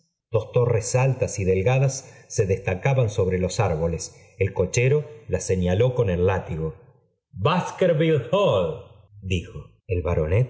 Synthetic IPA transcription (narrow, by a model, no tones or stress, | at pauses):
d̪̥o̞st̪o̞resalt̪asiðe̞lɣaðasːe̞ðest̪akaβanso̞βɾe̞lo̞saɾβo̞les | elko̞t͡ʃeɾolaseɲalo̞ko̞ne̞lːat̪iɣo | baskeɾβilhol | d̪ixo | elβaɾonet̪